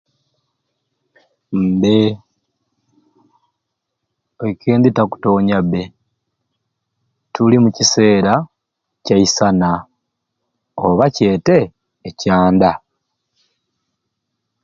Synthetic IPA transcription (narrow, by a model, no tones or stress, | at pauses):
m̩be | ekʰeːnd̪itaku̥to̞ːɲabe | tulimucise̞ːɾa | caisana | oβace̞ːte̞ː | caːnda